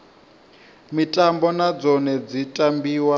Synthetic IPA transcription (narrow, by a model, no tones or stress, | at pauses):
mitʼambɔnad͡zɔnɛd͡zitʼambiːwa